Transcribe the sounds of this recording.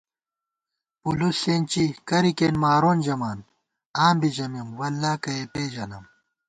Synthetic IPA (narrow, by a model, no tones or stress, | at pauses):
puluseːnt͡ɕikɐɾikeːnmaːɾoːnd͡ʑɐmaːn | aːmbid͡ʑɐmimwɐlːaːkɐepeːd͡ʑɐnɐm